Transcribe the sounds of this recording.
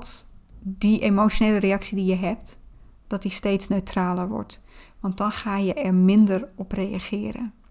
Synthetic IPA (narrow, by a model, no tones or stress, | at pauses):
tdiʔemot͡ʃjoneːləreɑksidijəɦɛp̚t | d̥ɔtdisteːtsnøɥtʰraːlərʋɔ̰ɹtʋɑnt̚dɔnxaːjəʔɛrmɪndərɔprejaxɪːəɾə̰